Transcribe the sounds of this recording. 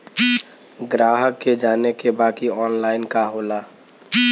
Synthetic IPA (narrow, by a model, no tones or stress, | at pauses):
ɡɾaːɦəkːed͡ʒaːnekebaːkiɔːnlaːɪnkaɦoːlaː